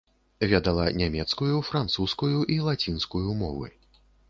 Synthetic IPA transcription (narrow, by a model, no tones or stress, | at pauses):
vʲɛd̪ɐlˠɐ̰nʲamʲɛt̪skujufɾant̪suskujuʔilˠat͡sʲinskujumɔvɨ̰